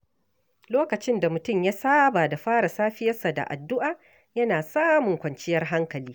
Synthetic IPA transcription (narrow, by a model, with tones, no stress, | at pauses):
loː˦kɐ˨t͡ʃɪ˦nda˨mʊ˨tʊ˦˨mjaː˦saː˦baː˨da˨ɸaː˦ɽa˨saː˦ɸɪ˦jɐ˦rsa˨da̰˨ʔa̰˨dːʊ˦ʔaː˨ | jɐ˦naː˨saː˦mʊ˨ŋkʷɐ˨nt͡ʃɪ˦jɐ˦rɦa˦ŋkɐ˨liː˦